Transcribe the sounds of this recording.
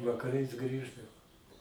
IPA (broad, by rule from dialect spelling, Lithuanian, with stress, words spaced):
ʋɐkɐˈrɐɪs ˈɡrʲiːʒdɐʋoː